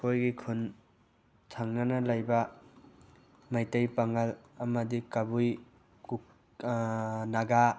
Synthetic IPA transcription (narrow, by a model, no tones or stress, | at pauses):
kojɡikʰun | tʰaŋnanalajba | majtajpaŋalamɐdikabuj | ku | naɡa